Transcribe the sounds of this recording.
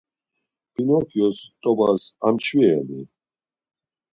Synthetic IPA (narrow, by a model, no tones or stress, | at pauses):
pʰinɔpʰjɔst̪ʼɔbasamt͡ʃʰviɛnḭ